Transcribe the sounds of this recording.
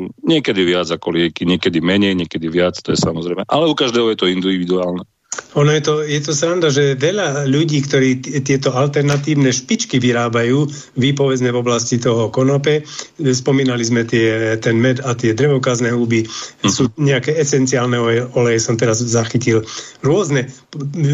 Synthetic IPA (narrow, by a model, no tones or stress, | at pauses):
ɲɪɛkɛd̪iʋɪad͡zakɔlɪɛkiɲɪɛkɛd̪imɛɲɛjɲɛkɛd̪iʋɪat͡st̪ɔjɛsamɔzɾɛjmɛʔalɛukaʒd̪ɛːɦɔjɛt̪ɔind̪iʋʋid̪uaːlnɛ | ɔnɔjɛt̪ɔjɛt̪ɔsɾand̪aʒɛʋɛʎaʎuɟiːkt̪ɔɾiːt̪ɪɛt̪ɔalt̪ɛɾnat̪iːʊnɛʃpit͡ʃkiʋiɾaːbajuː | ʋipɔʋɛd͡zmɛvɔblascit̪ɔɦɔkɔnɔpɛspɔmiːnalizmɛt̪ɪɛt̪ɛnmɛd̪at̪ɪɛd̪ɾɛʋɔkaznɛɦubisuːɲɛakɛɛsɛnt͡siaːlnɛɔlɛjɛsɔmt̪ɛɾazːaxicilɾʊɔznɛ